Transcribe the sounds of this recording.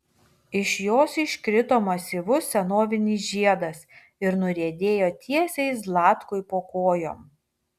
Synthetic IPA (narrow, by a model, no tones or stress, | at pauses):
ɪʃjoːsɪʃʲkɾʲɪt̪oːmɐsʲɪʋʊsʲɛnoːʋʲɪnʲiːsʒʲiɛd̪ɐs | ɪɾnʊɾʲiɛd̪ʲeːjoːt̪ʲʰiɛsʲɛɪslˠɑːt̪kʊɪpoːkoːjo̰ːm